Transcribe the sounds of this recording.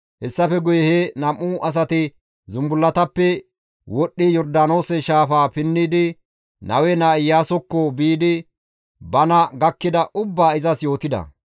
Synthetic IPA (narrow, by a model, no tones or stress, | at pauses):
hɛsːɐfɛɡʊjɛhenɐmːʊʔɐs̬ɐt̪ɪ | zʊmbʊlːɐt̪ɐpːɛ | wɔɗːɪjɔɾd̪ano̞ːsɛʃaːfaːpɪnːɪd̪ɪ | nɐ̰wɛnaːɪjːaːsɔkːɔbiːd̪ɪ | bɐnɐɡɐkːɪd̪ɐʔʊbːaːɪzɐsjo̞ːt̪ɪd̪ɐ̰